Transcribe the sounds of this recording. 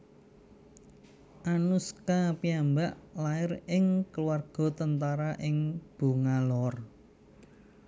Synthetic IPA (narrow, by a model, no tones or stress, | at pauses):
ʔanuskapiambaʔlaɪrɪŋkəluwarɡ̥ɔ̤t̪ənt̪aɾaʔɪŋb̥ṳŋalɔr